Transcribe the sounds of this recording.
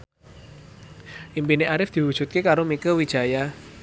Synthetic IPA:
ʔimpineʔaɾɪfd̪̥i̤wud̥ʒ̥ut̪̚kekaɾomikəwid̥ʒ̥a̤ja

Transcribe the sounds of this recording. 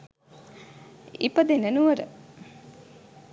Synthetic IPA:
ḭpəd̪enənuʋəɾə̰

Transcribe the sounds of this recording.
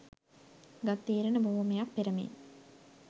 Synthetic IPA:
ɡat̪ːiːɾənəbʱoːmejak̚peɾəmḛn

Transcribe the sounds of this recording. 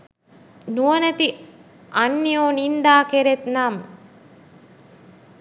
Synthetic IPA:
nuɐnɐt̪i | ʔɐnːijoːnind̪aːkeɾet̪nam

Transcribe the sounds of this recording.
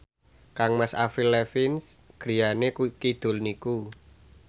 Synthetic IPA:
kaŋmasa̰filːɛfɪnsɡ̥ɾi̤janekkid̪̥o̤lniku

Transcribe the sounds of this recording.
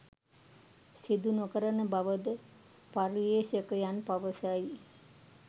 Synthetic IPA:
sid̪unokəɾənəbaʋəd̪ə | paɾʋeːsəkəjanpaʋəsaji

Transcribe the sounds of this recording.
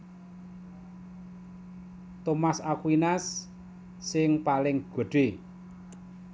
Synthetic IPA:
t̪omasakwinasː | ɪŋpalɪŋɡ̥ə̤ɖ̥e

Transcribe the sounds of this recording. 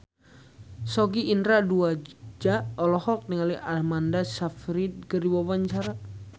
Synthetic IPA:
sɔɡiːndɾaduad͡ʒaɔlɔhɔk̚niŋaliʔamandasafɾid̪̚kərdiwawaɲt͡ʃaɾa

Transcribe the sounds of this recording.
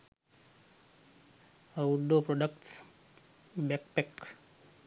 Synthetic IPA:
awɖopɾɔɖəkʈs | bek̚pek

